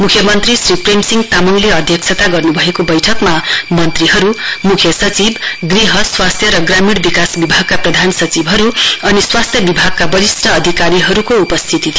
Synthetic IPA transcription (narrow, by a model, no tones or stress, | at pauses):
mukʰjʌmʌnt̪risripremsiŋɡt̪amunleʌd̪ʱjʌkt͡sʰʌt̪aɡʌrnubʱʌekobʌjʈʰʌkmamʌnt̪riɦʌɾumukʰjʌsʌt͡sibɡriɦʌswast̪ʰjʌɾʌɡramiɽbikasbibʱaɡ̚kaprʌd̪ʱansʌt͡sibʱɦʌɾuʌniswast̪ʰjʌbibʱaɡ̚kabʌɾisʰʌːd̪ʱikaɾiɦʌɾukoupʌst̪ʰit̪it̪ʰ